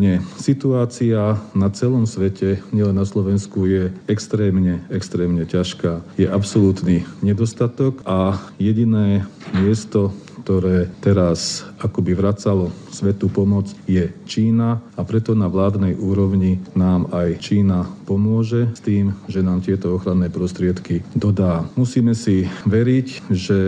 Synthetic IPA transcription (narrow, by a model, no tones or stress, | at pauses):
ɲɛsit̪uaːt͡sianat͡sɛlɔmsʋɛcʰɛɲɛlɛnnaslɔʋɛnskujɛɛkst̪ɾɛːmɲɛɛkst̪ɾɛːmɲɛcaʃkaːjɛʔapsɔlut̪niɲɛd̪ɔst̪at̪ɔkʔajɛɟinɛː | mɪɛst̪ɔkkt̪ɔɾɛːt̪ɛɾasakɔbiʋɾat͡salɔ | sʋɛt̪upɔmɔt͡sjɛt͡ʃiːnaapɾɛt̪ɔnaʋlaːd̪nɛjʔuːɾɔʊɲinaːmajt͡ʃiːnapɔmʊɔʒɛst̪iːmʒɛnaːmt̪ɪɛt̪ɔɔxɾanːɛːpɾɔst̪ɾɪɛt̪kid̪ɔd̪aːmusiːmɛsiʋɛɾicʒɛ